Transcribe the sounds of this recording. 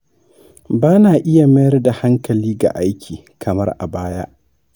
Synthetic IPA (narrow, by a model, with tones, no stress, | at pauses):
baː˦naː˨ʔɪ˦ja˨mɐ˦jɐ˦rda˨ha˦ŋkɐ˨liː˦ɡa̰˨ʔa˦jkʲiː˨ | kʰɐ˨mɐ˦rʔa̰˨baː˦ja̰˦ʔ